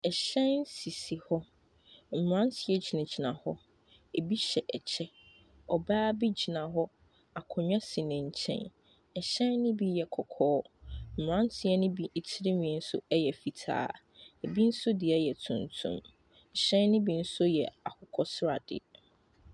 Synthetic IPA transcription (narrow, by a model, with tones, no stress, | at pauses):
ɛ˨ɕɛ̃˦nn˦si˨si˨hɔ˦ | m̩˨mɾã˦n˦tʰɪ˨ɛ˦d͡ʑi˨nã˨d͡ʑi˨nã˨hɔ˦ | e˨bi˦ɕɛ˨ʔɛ˨t͡ɕʰɛ˦ | ɔ˨baː˦bi˦d͡ʑi˨nã˨ɦɔ˦ | a˨kʰɔ˨ɲᶣã˦sɪ˨nɪ̃˨ɲ̩˨t͡ɕʰɛ̰̃˦˨n | ɛ˨ɕɛ̃˦nːɪ̃˦bi˦jɛ˨kʰɔ˨kʰɔː˦m̩˨m˨ɾã˦n˦tʰɪ˨ɛ˦nʊ̃˦bi˦e˨tʰɪ˦ɾɪ˦nĩ˨ɛ˨˦n̩˦sʊ̰˦ɛ˦jɛ˨fi˨tʰa̰ː˦ | e˨bi˦n̩˦sʊ˦dɪ˨ɛ˦jɛ˨tʰʊ̃˨ntʰṵ̃˦m̩˨ | ɕɛ̃˦nː˦ɪ̃˦bi˦n̩˦sʊ˦jɛ˨a˨kʰʊ˨kʰɔ˦sɾa˨d̥ɪ̰˦